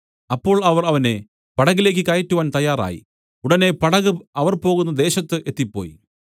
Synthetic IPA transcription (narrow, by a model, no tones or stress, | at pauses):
ɐpːo̞ːɭɐʋɐrɐʋɐne̞̰ | pɐɽɐɣile̞ːk̬ːɨkɐjɐtːuʋaːnt̪ɐjːaːra̰ːjḭ | uɽɐne̞pɐɽɐɣɨɐʋɐrpo̞ːɣunːɐd̪e̞ːɕɐt̪ːɨʔe̞t̪ːipːo̰ːjḭ